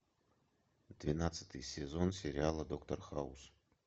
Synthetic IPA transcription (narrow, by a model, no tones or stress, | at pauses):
d̪vʲinat̪sɨ̥t̪ɨjsʲezonsʲeɾʲɪalˠəd̪okt̪orxaṵs